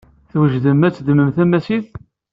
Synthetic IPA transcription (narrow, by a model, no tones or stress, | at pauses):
θwəʒd̪əmːæt͡sːd̪məmθæmæsið